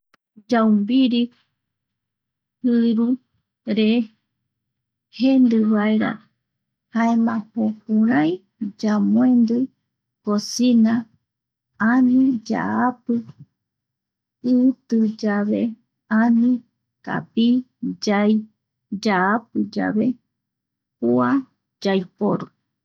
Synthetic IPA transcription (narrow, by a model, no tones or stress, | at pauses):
d͡ʒawmbiɾi | hɨɾu | ɾe | hend̪ɨβaeɾa̰ | haemãpopũɾãj̃ | d͡ʒamõẽnd̪ɨ | kosinã | anĩd͡ʒa̰apɨ | ɨt̪ɨd͡ʒaβe | anĩ | ka̰pi | d͡ʒaj | d͡ʒaapɨd͡ʒa̰ʋe̞ | pua | d͡ʒajpoɾu